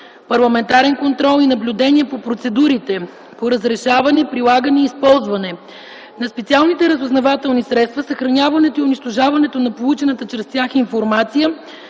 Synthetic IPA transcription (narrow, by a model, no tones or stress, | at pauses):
pɐɾlˠɐmɛnt̪aɾɛnkont̪ɾɔlˠinɐblʲud̪ɛniɛpopɾot̪sɛd̪uɾit̪ɛ | poɾəzɾɛʃavɐnɛpɾilˠaɡənɛiːspɔlˠzvɐnɛ | nɐspɛt̪sialˠnit̪ɛɾəzoznɐvat̪ɛlˠnisɾɛt̪st̪vəsəxɾɐnʲjavɐnɛt̪oiʊniʃt̪oʒavɐnɛt̪onɐpolˠut͡ʃɛnət̪ət͡ʃɾɛst̪ʲjaxinfoɾmat̪sijə